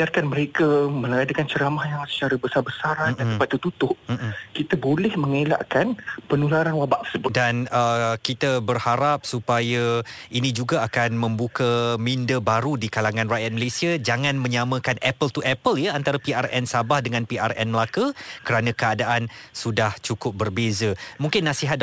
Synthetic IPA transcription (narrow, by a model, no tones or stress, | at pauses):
iarkanməɾekamə̃laadakant͡ʃəɾamahjaŋsə̥t͡ʃaɾabəsarbəsaɾamnaəpat̪̚ːut̪ut̪ʊʔ̩m̩kit̪abolɛhməŋela̰ʔkanpənulaɾanwabaʔt̪ə̥səbʊdanəkit̪abərhaɾap̚supaja | inĩd͡ʒuɡaakanmə̃mbukamindəbaɾudikalaŋãnrajat̪̚məlesiad͡ʒaŋãnmə̃ɲamə̃kanɛpəlt̪uʔɛpəljaant̪aɾapiarɛ̰nsabahdəŋãnpiʔa̰rɛ̰nməlakakəɾanãkəadaʔansudaht͡ʃukʊp̚bərbezamũŋkɪnːasiɦat̪̚